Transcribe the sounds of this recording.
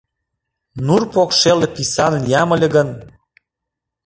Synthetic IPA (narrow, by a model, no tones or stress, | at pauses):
nurpokʃelĕpisɑnnjɑmə̆lʲĕɣə̆n